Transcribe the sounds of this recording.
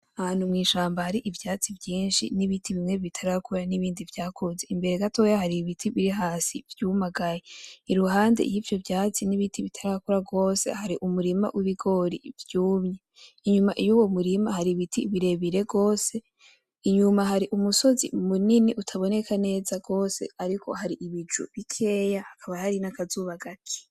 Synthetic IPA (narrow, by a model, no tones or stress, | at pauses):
ahan̥humŋiːʃaːmbahaɾiʔivjaːt͡sivjiːnʃḭniβitʰiβimŋe̞βitʰaɾakʰuɾaniβiːndivjaːkʰoze̞imbe̞ɾe̞ɡato̞jahaɾiβitʰiβiɾiɦaːsivjuːmaɡajeiɾuɦaːndḛijivjo̞vjaːt͡siniβitiβitʰaɾakuɾaɡo̞ːse̞̰haɾiʔumuɾima̰wʔiβiɡo̞ɾḭvjuːmɲe̞ | iɲumaʔijuwo̞muɾimahaɾiβitʰiβiɾe̞βiɾe̞ɡo̞ːse̞ | iɲumaɦaɾiʔumuso̞zḭmuniniʔutʰaβo̞ne̞kʰane̞ːzaɡo̞ːse̞̰aɾiko̞̰haɾiʔiβid͡ʒṵβikʰe̞ːjahakʰaβahaɾinakazuβaɡatʰi̥